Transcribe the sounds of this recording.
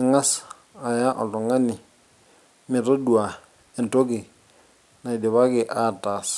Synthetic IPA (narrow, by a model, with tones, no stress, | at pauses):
ɪ˨ŋa˦s | a˨ja˦ʔɔ˨tɔ˨ŋa˦nɪ˨ | mɪ˨tɔ˦dwa˨ | ɛ˨ntɔ˦kɪ˨ | na˨i˨dɪ˨βa˦kɪ˨ʔa˦˨ta˨s